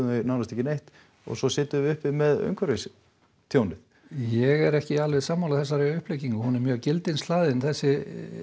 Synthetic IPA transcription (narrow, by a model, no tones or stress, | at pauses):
ɪnawnast̪ɛhcɪnejht̪ | ɔ̰ɣsɔsɪːt̪ʏvʏhpɪmɛðœ̰ŋkʰvœɾves | t̪ʰjoːwnɪθ | jɛɣɛɾɛhcɪalvɛðsaːmhawlaθɛs̬ːaɾeʏhpleːjciŋkʏhunɛɾmjœːɣcɪlt̪ɪnst̪laːðɪnθɛsːɪ